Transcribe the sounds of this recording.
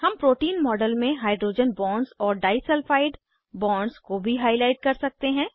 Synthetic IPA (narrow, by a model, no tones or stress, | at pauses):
hɐmpɾoːʈiːnmɔːɖəlmẽɦaːɪɖɾoːd͡ʒənbɔːɳɖzɔːɾɖaːɪsəlfaːɪɖ | bɔːɳɖzkobʱiɦaːɪlaːɪʈ̚kɐɾsɐk̚t̪eɦɛ̃ː